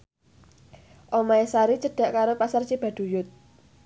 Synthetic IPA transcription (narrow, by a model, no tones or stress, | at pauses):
ʔomaesaɾit͡ʃəɖ̥a̤ʔkaɾopasart͡ʃib̥a̤ɖ̪̥ṳjʊt̪̚